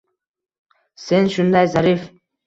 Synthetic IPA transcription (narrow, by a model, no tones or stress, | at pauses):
senʃʊnd̪ajzaɾif